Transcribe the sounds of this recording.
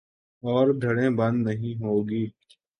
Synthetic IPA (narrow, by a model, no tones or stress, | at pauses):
ɔːɾd̪ʱɐɽẽːbɐ̃nd̪nɐɦĩɦoːɡiː